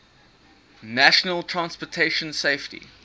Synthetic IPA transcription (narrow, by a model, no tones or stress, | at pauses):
næʃənəlˠtʰɹãnspɔtʰeɪʃə̃nseɪftḭ